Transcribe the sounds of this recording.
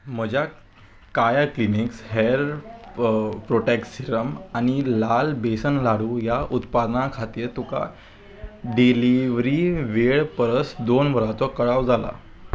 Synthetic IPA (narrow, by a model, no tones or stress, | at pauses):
m̤əd͡ʑʱja | kajakliniksɦeɾ | pɾoʈɛkʈsiɾəmañilalbesənlaɽuːjaʔut̪pad̪nakʰat̪iːɾt̪uka̰ | ɖiliʋɾiʋeɭpəɾəsd̪onʋəɾat͡s̪ɔkəɭaʋd͡zala̰